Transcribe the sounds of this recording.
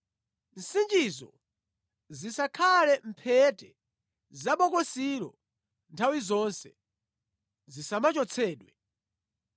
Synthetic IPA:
n̩sind͡ʒizɔ̰ | zisakʰalɛm̩pʰɛtɛ | zaɓɔkɔsiɾɔ̰ | ntʰawizɔnsɛ | zisamat͡ʃɔt͡sʰɛːɗwɛ

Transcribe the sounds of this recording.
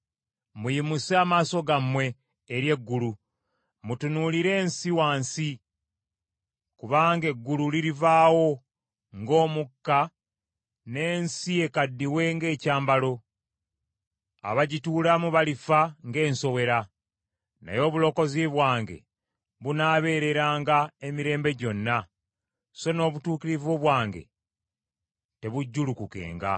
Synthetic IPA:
mujimusaːmaːso̞ɡamwe̞ː | ɾje̞ɡːulu | mutunuliɾe̞ːnsiwaːnsi | kuβaːŋɡe̞ɡːululiɾivaːwo̞ | ŋɡo̞ːmukːa | ne̞ːnsie̞kadːiwe̞ŋɡe̞ːcaːmbalo̞ | a̰βaɟituːlamuβalifaŋɡe̞ːnso̞we̞ɾa | na̰jo̞ːβulo̞ːko̞ziβwaːŋɡe̞̰ | βunaːβe̞ːɾe̞ɾaːŋɡae̞miɾe̞ːmbe̞ɟo̞nːa | so̞no̞ːβutuːkiɾivoβwaːŋɡe̞̰ | te̞βuɟːulukuke̞̰ːŋɡa̰

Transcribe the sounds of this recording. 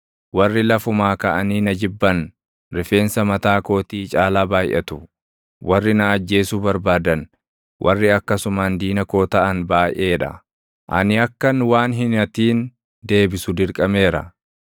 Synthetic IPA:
wɐrːɪlɐfʊmaːkɐʔɐniːnɐd͡ʒɪbːɐn | ɾɪfe̞ːnsɐmɐt̪aːko̞ːt̪iːt͡ʃʼaːlaːbaːjʔɛ̰t̪ʊ | wʔɐrːɪnɐːd͡ʒːe̞ːsuːbɐɾbaːd̪ɐn | wʔɐrːɪɐkːɐsʊmand̪iːnɐko̞ːt̪ɐʔɐnbaːjʔe̞ːᶑɐ̰ | ʔɐ̰nɪɐkːɐnwaːnɦɪnɐt̪iːn | d̪e̞ːbɪsʊd̪ɪɾkʼɐme̞ːɾɐ̰

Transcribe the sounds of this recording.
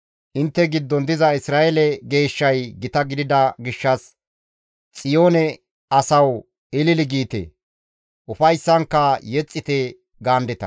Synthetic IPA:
ʔɪnt̪ːɛɡɪd̪ːɔnd̪ɪzɐɪsɾaːʔɛlɛɡe̞ːʃːɐjɡɪt̪ɐɡɪd̪ɪd̪ɐɡɪʃːɐs | t͡sʼɪjoːnɛ | ɐsɐw | ɪlɪlɪɡiːt̪ḛ | ʔʊfɐjsːɐŋkːɐjɛt͡sʼːɪt̪ɛ | ɡaːnd̪ɛt̪ɐ̰

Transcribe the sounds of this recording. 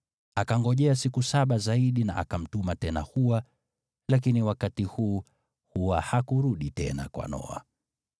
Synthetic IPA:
akaŋɡɔʄɛasikusaɓazaiɗina̰ʔa̰kam̩tumatɛna̰huwa | lak̬iniwakatihuː | huwahakuɾuɗitɛna̰kwa̰nɔ̰a̰

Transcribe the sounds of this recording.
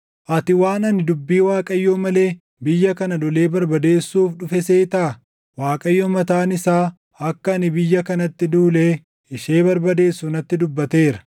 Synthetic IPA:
ʔɐt̪ɪwaːnɐnɪd̪ʊbːiːwaːkʼɐjːɔmɐle̞ː | bɪjːɐkɐnɐd̪ɔle̞ːbɐɾbɐd̪e̞ːsːuːfᶑʊfɛseːt̪aː | waːkʼɐjːɔmɐt̪aːnɪsaː | ɐkːɐːnɪbɪjːɐkɐnɐt̪ːɪd̪uːleː | ɪʃe̞ːbɐɾbɐd̪e̞ːsːunɐt̪ːɪd̪ʊbːɐt̪e̞ːɾɐ

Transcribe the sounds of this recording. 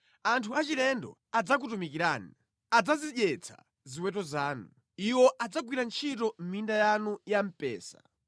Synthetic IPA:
antʰuat͡ʃilɛndɔ̰ | ad͡zak̬utumikiɾaːni | ad͡zaziʄɛt͡sʰa̰ | ziwɛt̬ɔzaːnu | iwɔʔad͡zaɡwiɾant͡ʃʰitɔm̩mindajanujam̩pɛ̰ːsa̰

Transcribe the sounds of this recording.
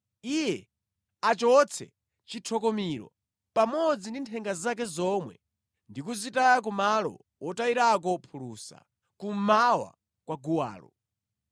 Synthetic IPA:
ijɛ | at͡ʃɔt͡sʰɛ̰ | t͡ʃitʰɔkɔmiɾɔ̰ | pamɔd͡zindintʰɛŋɡazakɛzɔmwɛ̰ | ndikuzitajak̬umalɔ̰ | wɔtaiɾak̬ɔpʰuluːsa̰ | kum̩mawa̰ | kwaɡuwa̰ːlɔ̰

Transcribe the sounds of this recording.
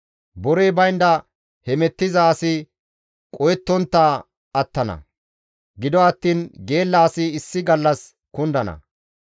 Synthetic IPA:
bɔɾejbɐjnd̪ɐ | hɛmɛt̪ːɪzaːsɪ | kʼɔjɛt̪ːɔnt̪ːaː | ɐt̪ːɐnɐ̰ | ɡɪd̪ɔɐt̪ːiːnɡe̞ːlːɐːsɪɪsːɪɡɐlːɐs | kʊnd̪ɐnɐ̰

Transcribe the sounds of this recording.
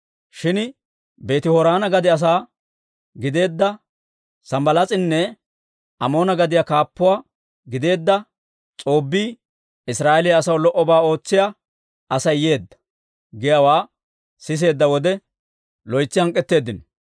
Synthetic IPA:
ʃɪn | be̞ːt̪ɪhɔɾaːnɐɡɐd̪ɪɐs̬aː | ɡɪd̪e̞ːd̪ːɐ | sɐmbɐlat͡sʼɪnːɛ | ɐmo̞ːnɐɡɐd̪ɪjakaːpːʊwaː | ɡɪd̪e̞ːd̪ːɐ | t͡sʼo̞ːbːiː | ɪsɾaːʔɛlɪjɐɐsɐwlɔʔɔbaːo̞ːt͡sːɪja | ʔɐsɐjːe̞ːd̪ːɐ̥ | ɡɛjɐwaː | sɪs̬e̞ːd̪ːɐwɔd̪ɛ | lɔjt͡sːɪhɐŋkʼːɛt̪ːe̞ːd̪ːɪn

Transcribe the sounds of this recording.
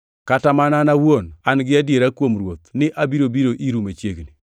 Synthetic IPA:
katamananawonanɡɪadjeɾakwomɾwot̪nɪʔabiɾobiɾoʔiɾumet͡ʃjeɡni

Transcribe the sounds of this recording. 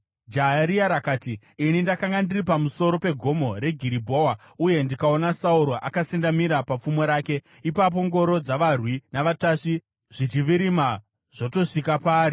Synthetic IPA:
d͡ʒaɦaɾiaɾakaːtiː | nindakaŋɡandiripamuso̞ɾo̞pe̞ɡʱo̞mo̞ɾe̞ɡʱiɾibʱo̞wa | uje̞ndikao̞nasauɾoʔakasindamiɾapap͡fumo̞ɾaːke̞ | ipap̬o̞ŋɡo̞ɾo̞d͡zaʋarwinaʋataʂi | ʐ̥it͡ʃiʋiɾima | ʐ̥oto̞ʂikapaːɾi

